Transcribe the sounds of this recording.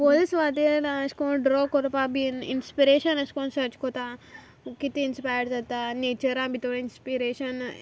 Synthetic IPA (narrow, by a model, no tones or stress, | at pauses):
polisʋaːd̪elaɐskoɖɾoːkoɾpabiinspiɾeːʃɐnɐskõnsɐt͡ʃkot̪a | kit̪iinspaːjəɖzɐt̪aneːt͡ʃɐɾãːbʱit̪oɽinspiɾeːʃɐn